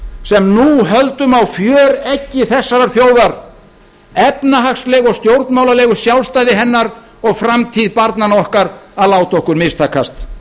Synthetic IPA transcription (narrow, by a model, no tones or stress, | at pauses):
sɛmnuɦœlt̪ʏmawfjœːɾɛcːɪθɛsːaɾaɾ̥θjoːwðaɾ | ɛpnaɦakslɛːɣɔɣst̪jowɾt̪nmaːwlalɛːɣʏɾ̥sjawlst̪aːjðɪɦɛnːaɾ | ɔɣfɾamt̪ʰiðpaɾt̪nanɔhkaɾaðlaːwt̪ɔhkʏɾmɪst̪ʰakːast̪